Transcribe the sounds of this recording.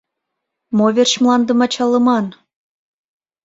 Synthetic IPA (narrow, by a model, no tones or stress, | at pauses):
moβʲerɕmlˠɑnd̪ə̆mɑt͡ɕɑlːɤ̆mɑn